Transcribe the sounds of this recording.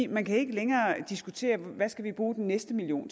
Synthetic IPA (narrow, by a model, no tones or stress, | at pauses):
mænkʰæe̝ɡ̥əleŋɐːd̥isɡ̥ut͡sʰe̝̰ːɐʋæsɡ̥æʋib̥ʁuːd̥enːesd̥əmilio̝̰ːn